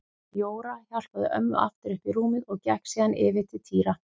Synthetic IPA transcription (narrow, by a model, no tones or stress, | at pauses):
joːwɾaçal̥paðʏ̰ʔœ̰m̰ːʔa̰ft̪ɪɾʏhpiɾuːmɪðɔɣcɛhksiːðanɪːvɪt̪ʰɪt̪ʰiːɾa